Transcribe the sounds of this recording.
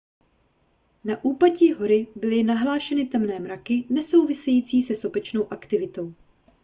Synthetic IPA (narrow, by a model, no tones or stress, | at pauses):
naʔuːpaciːɦo̞ɾɪbɪlɪnaɦlaːʃɛnɪt̪ɛmnɛːmɾakɪnɛso̞wvɪsɛjiːt͡siːsɛso̞bɛt͡ʃno̞wʔakt̪ɪvɪt̪o̞w